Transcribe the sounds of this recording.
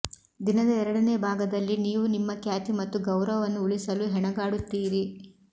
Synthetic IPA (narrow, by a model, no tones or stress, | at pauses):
d̪inɐd̪ɐɛɾɐɽɐneːbʱaːɡɐd̪ɐlːiniːʋunimːɐkjaːt̪imɐt̪ːuɡɐwɾɐʋɐnːuuɭisɐluɦɛɳɐɡaːɽut̪ːiːɾi